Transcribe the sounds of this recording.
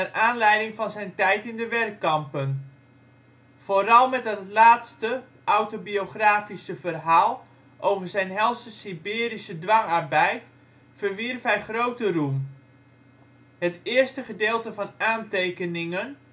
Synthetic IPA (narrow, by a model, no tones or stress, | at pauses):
ərʔaːnlɛjdɪŋfɑnzɛjntɛjtɪndəʋɛrkːɑmpən | v̥oːɾɑlˠmɛtɦətlaːtstə | ʔawtobioχraːfisəvərɦaːlˠ | ʔowvərzɛjnɦɛlˠsəsibɪːɾisədʋɑŋarbɛjt | fərʋirfɦɛjχrowtərum | hətɪːrstəχədeːlˠtəvɑnaːntejkənɪŋən